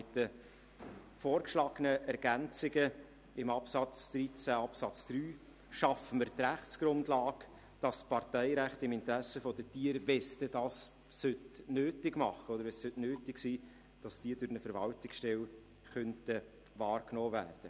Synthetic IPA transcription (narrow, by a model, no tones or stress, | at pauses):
ɪtə | foːɾkʃlɑːɡ̥ənəʔɛɾɡ̥ænt͡sɪɡə | ɪmɑpsɑt͡sd̥̪ɾit͡sæɑpsɑt͡sd̥ɾyː | ʃɑfəməɾtɾæχtt͡sɡ̥ɾʊndlɑːɡ | d̥ɑspɑɾtɛɪɾæχtɪmɪntəɾæsəfɔd̥ətiəɾvɛstədɑːsː | ʏtnøːtɪɡmɑχəɔd̪əɾʋɛssøtnøːtɪksiː | d̥ɑsd̥iəd̥ʊɾnəfəɾvɑltɪksʃtɛl | χœntə | vɑːɾknoːvæ̰ːrd̥ə